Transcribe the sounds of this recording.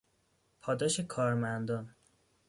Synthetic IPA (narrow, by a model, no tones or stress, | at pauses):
pʰɒːd̪ɒːʃekʰɒːɾmænd̪ɒːn